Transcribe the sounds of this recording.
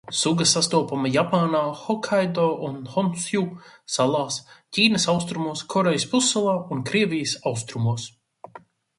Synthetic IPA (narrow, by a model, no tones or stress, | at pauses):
suɡɐsast̪uɔpamɐjapaːnaːxɔkʰajd̪ɔːʔunhɔnsjusalˠaːscʲiːnɐsawst̪ɾumuɔskʰɔɾejspusːalˠaːunkɾiɛvʲijəsawst̪ɾumuɔs